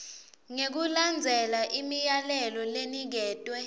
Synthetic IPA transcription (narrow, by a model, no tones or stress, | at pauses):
ŋek̬uland͡zʱɛlaʔimijalɛlɔlenik̬ɛːtʼwɛ